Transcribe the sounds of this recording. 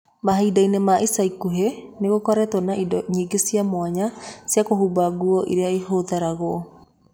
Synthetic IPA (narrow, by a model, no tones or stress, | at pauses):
maɦaidainemaʔisaikuɦeneɣokɔɾɛtɔnaʔidɔɲiːɡesiamwaɲasjakohubaɣuɔʔiɾeaihoðaɾaɣɔ